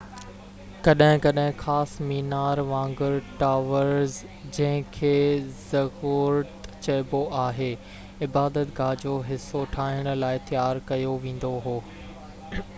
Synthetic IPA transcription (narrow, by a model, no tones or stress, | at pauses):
kɐɗɦɪ̃kɐɗɦɪ̃xaːsmiːnaːɾʋãːŋɡəɾʈaːʋəɾz | d͡ʑɐ̃ɦɪ̃kʰeːzɐɾuːɾət̪t͡ɕɐɪboʔaːɦeː | ɪbaːd̪ət̪ɡʱaːd͡ʑoɦɪsːoʈʰaːɦɪəɽ̃̆laːɪt̪jaːɾkɐjoʋẽːn̆d̪oɦoː